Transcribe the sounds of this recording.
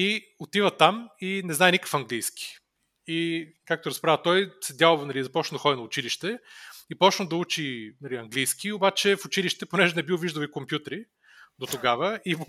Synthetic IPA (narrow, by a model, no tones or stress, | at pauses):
i | ot̪ivət̪aminɛznaɛnikə̥fɐŋɡlijskʲi̥ | ikak̚t̪oɾɐspɾavət̪ɔjsɛd̪ʲalˠovnɐlizɐpɔt͡ʃnd̪ɐxɔd̪ʲinɐʊt͡ʃiliʃt̪ɛipɔt͡ʃnəd̪ɐut͡ʃinɐliɐŋɡlijskiobat͡ʃɛfʊt͡ʃiliʃt̪ɛponɛʒɛnɛbilˠoviʒd̪əlikompjut̪ɾi | d̪ot̪oɡavəi